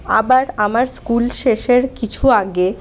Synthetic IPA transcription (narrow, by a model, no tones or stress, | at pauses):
a̰baɾamaɾskulʃeʃeɾkit͡ɕʰuaɡe